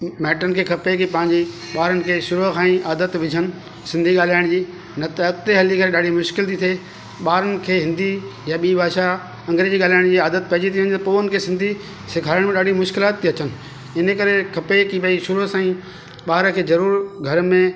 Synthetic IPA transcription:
mɛːʈənɪ̆kʰeːkʰɐpekipɐ̃ɦɪ̃ɲd͡ʑi | ɓaːɾənɪ̆kʰeːʃʊɾɦkʰãːĩʔaːd̪ət̪ʋɪd͡ʑʱənɪ̆ | sɪ̃nd̪ʱiɠaːl̤aːɪɽ̃d͡ʑiː | nɐt̪ːk̚t̪eɦɐlikɐɾeɗaːɖ̤ʱimʊʃkɪlt̪ʰit̪ʰeː | ɓaːɾənɪ̆kʰeːɦɪ̃nd̪ijaɓiːbaːʃa | ɐ̃ŋɡɾed͡ʑiːɠaːlaːɪɽ̃d͡ʑiːaːd̪ət̪̚pɐɦd͡ʑit̪ʰiʋẽnt̪ɐpoːʊnɪ̆kʰeːsɪ̃nd̪ʱi | sɪkʰaːəɽ̃mẽɗaːɖ̤ʱimʊʃkɪlaːt̪ːiɐt͡ɕənɪ̆ | ɪnəkɐɾekʰɐpekiɓɐiʃʊɾuɦsãːĩ | ɓaːɾəkʰeːzɐɾuːɾɡʱɐɾəmẽ

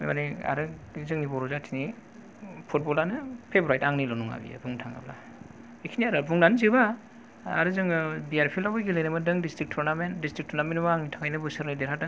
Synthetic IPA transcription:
ḛmania̰ɾɯ | zɯŋnibɔɾuzatʰini | pʰut̚bɔlanɯpʰebɾajtaŋnilɔnuŋa̰bḭa̰buŋtʰaŋa̰bla | ekʰiniaɾɯbuŋnanzɯba | aɾɯzɯŋɯbijaɾpʰilabɯjɡelɯjnɯmɯdɯŋdistɾik̚tʰɔɾnamentdistɾik̚tʰɔɾnamenmaŋnitʰaŋajnɯbɯsɯɾnajdeɾɦata

